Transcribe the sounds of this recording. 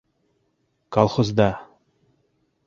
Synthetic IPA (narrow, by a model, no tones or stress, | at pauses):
kɑlˠχozd̪ɑ